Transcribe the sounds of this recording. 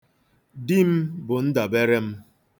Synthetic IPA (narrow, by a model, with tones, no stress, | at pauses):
di˦m̩˦bʊ˨n̩˦da˨be˦ɾe˦m̩˦